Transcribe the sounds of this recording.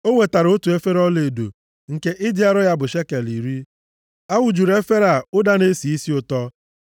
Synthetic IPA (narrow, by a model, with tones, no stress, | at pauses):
o˦we˨ta˨ɾo˦tu˨e˦fe˦ɾɔ˦le˨do̰˨ | ŋ̩˨ke˦ʔɪ˦dɪ˦a˦ɾʊ˦ja˦bʊ˨ʃe˦ke˨li˨ɾi˦ | a˦wʊ˨d͡ʒu˨ɾe˦fe˦ɾa˨ʊ˦da˦ne˦si˨i˦si˦ʊ˨tɔ˦